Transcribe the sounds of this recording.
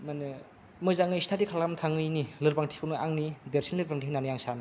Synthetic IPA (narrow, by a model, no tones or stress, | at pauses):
manɯ | mɯzaŋɯistʰatikʰalkamtʰaŋɯjnilɯɾpaŋtʰi̥kʰɯwnɯaŋnibeɾsinlɯɾpaŋtʰiknanɯjaŋsanɯ